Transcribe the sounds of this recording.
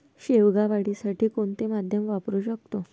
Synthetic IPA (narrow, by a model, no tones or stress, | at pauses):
ɕeʋɡaʋaɽisaʈʰiːkoɳt̪emad̪ʱjəmʋapɾuːɕək̚t̪o